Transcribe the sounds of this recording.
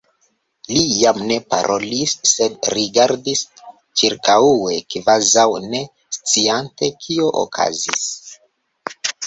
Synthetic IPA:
lijamne̞pa̰ɾʔo̞lisːe̞dɾiɡaɾdis | t͡ʃiɾkaue̞kvazawne̞ | st͡siante̞kʰio̞ʔo̰kʰa̰zis

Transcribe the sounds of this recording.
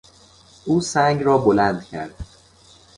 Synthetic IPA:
ʔuːsæŋɡrɒːbolænd̪cʲʰæ̰ɾd̪̥

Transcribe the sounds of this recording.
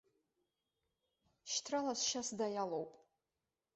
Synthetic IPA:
ʃtʰralasʃasdajalowpʼ

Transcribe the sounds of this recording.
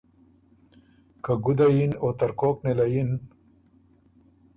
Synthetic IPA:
kaɡud̪ajinot̪ɐɾkoːknelajin

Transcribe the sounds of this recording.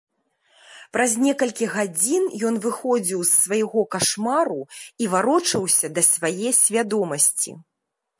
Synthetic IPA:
pɾɐzʲnʲɛkɐlʲkʲiɣad͡zʲinjɔnvɨxɔd͡zʲiwsːvɐjaɣɔkaʂmaɾuivaɾɔt͡ʂɐwsʲɐd̪ɐsʲvajɛsʲvʲad̪ɔmɐsʲt͡sʲḭ

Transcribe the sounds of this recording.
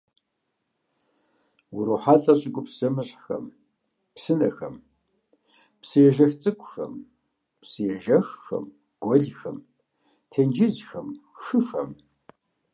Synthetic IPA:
wʊɾoħaːɬʼɐɕʼɪɡʷʊpsɐmɨɕʼxɐ̰m | psɨnɐxɐm | psɨjɛʒɐxt͡sʼɨkʷʼʊxɐ̰m | psɨjɛʒɐxxɐ̰m | ɡ̥ʷɔɮxɐ̰m | tʰend͡ʒɪzxɐmxɨfɐ̰m

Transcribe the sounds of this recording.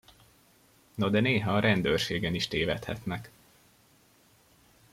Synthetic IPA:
nod̪ɛneːɦɒːɾɛnd̪ørʃeːɡɛniʃt̪eːvɛ̰t̪hɛ̰t̪nɛk

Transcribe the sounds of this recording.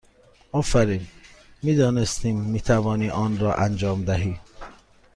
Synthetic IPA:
ɒːfæɾiːnmiːd̪ɒːnest̪iːmːiːt̪ʰævɒːniːʔɒːnɾɒːʔænd͡ʒɒːmd̪æɦiː

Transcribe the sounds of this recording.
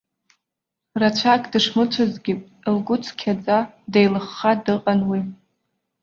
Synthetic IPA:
rat͡ʃʷʰakʼdɨʂmɨt͡ʃʷʰazɡʲɪpʼ | lɡʊt͡sʰʼkʲʰad͡zadejlɨχːadɨqʼanwi

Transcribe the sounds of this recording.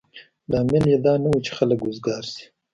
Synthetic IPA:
lɑːmɪljed̪ɑnawut͡ʃe̥xaləkʊzɡɑɾsi̥

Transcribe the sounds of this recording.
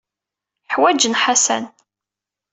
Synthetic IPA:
ħwæd͡ʒənħasæ̰n

